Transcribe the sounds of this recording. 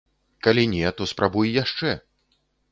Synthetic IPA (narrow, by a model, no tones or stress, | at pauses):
kalʲinʲɛt̪ɔspɾʔabujjaʂt͡ʂɛ